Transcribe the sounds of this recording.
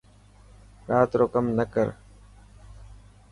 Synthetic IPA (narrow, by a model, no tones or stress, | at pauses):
ɾaːt̪ɾoːkəmnəkəɾ